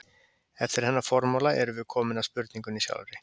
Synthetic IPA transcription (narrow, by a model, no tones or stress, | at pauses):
ɛft̪ɪɾ̥hɛnːafɔɾmɔlaʔɛɾʏvɪðkʰɔːmɪnaspʏɾt̪niŋkʏnisja̰wlɾɪ